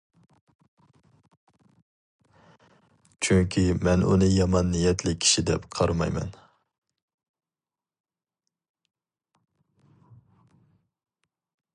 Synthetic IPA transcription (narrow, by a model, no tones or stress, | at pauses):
t͡ʃʰyŋkʲʰimɛnṵnɨjɑmɑnːijɛt̪ʰlɪkʲʰːi̥ʃid̪ɛ̰pqʰɑɾmɑ̰jmɛ̰n